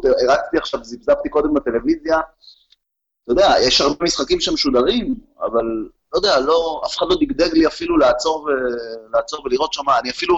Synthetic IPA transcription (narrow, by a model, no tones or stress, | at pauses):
t̪eʁat͡st̪iaχʃavzibzapt̪iko̞d̪embat̪e̞le̞vizja | t̪ajod̪eajɛʃaʁbemisχakimʃemeʃud̪aʁim | a̰vallːojd̪ealo̞a̰feχad̪lo̞d̪iɡd̪eɡliafilulaːt͡so̞ʁvelaːt͡so̞ʁveliʁo̞t̪ʃamaːniafilu